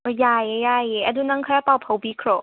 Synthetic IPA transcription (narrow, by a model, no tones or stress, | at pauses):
jajejajeɐdunɐŋkʰɾapawpʰawbikʰɾɔ